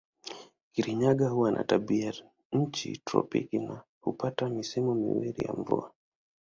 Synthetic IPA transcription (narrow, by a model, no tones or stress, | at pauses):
kiɾiɲaɠahuwanʔa̰taɓia | ɲ̩t͡ʃḭtɾɔ̰pikina | hupatamisimɔmiwilija̰ɱvua